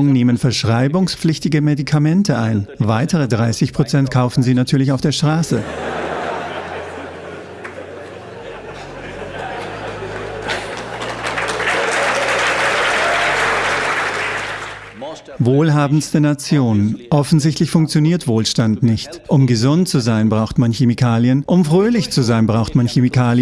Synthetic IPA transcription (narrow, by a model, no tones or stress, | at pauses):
ŋneːmənfɛɐʃʁ̥aɪbʊŋspp͡flɪçtɪɡəmedikʰamɛntʰəaɪnvaɪtʰəʁ̞ədʁaɪsɪçpʁ̥ot͡sɛntkʰaʊfn̩ziːnatʰyːɐlɪç̬aʊfd̥eːɐʃtʁ̥aːsə | voːlɦaːbn̩stənat͡sjoːnʔɔfn̩zɪçtlɪçfʊŋk̚t͡sjoniːɐtv̥oːlʃtantnɪçtʔʊmɡəzʊntt͡suzaɪnbʁaʊxtmançemikʰaːljənʔʊmfʁ̥øːlɪçt͡suzaɪnbʁaʊxtmançemikʰaːljə